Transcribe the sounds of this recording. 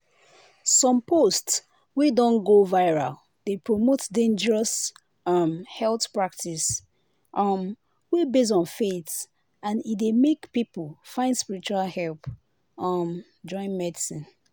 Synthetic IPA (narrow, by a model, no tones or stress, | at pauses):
sɔ̃mpʰosts | widɔ̃nɡovaɪɹa̰l | d̥epʰɹomotdẽnd͡ʒəɹɔs | ɔmhɛlθpɹak̚tis | ʔɔm | webes̬ɔ̃nfeθ | ãnidemekpipulfãɪ̃ndspiɹit͡ʃualhɛlp | ɔm | d͡ʒɔ̃ɪ̃nmɛdisĩn